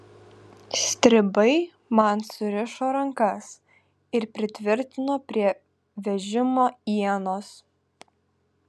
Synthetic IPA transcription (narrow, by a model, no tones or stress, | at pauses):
sʲt̪ʲɾʲɪbɐɪ | mɐnsʊɾʲɪʃoːɾɐŋkɐs | ɪɾpʲɾʲɪt̪ʲʋʲɪɾʲt̪ʲɪnoːpʲɾʲiɛ | ʋʲɛʒʲɪmoːiɛnoːs